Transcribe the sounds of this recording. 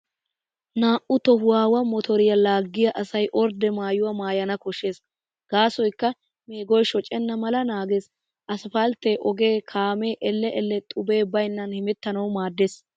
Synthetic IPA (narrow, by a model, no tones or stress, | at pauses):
naːʔʊt̪ɔhʊwaːwɐmɔt̪ʰɔɾɪjɐlaːɡːɪjɐʔɐsɐjʔɔɾd̪ɛmaːjʊwɐmaːjɐnɐkɔʃe̞ːs | ɡ̥aːsɔjkːɐ | me̞ːɡɔjʃɔt͡ʃʼɛnːɐmɐlɐnaːɡes | ʔɐsfɐlt̪eʔɔɡe̞ːkʰaːme̞ːʔɛlːɛʔɛlːɛt̪ʼʊbe̞ːbɐjnːɐnhɪmɛt̪ːɐnɐwmaːd̪ːeːs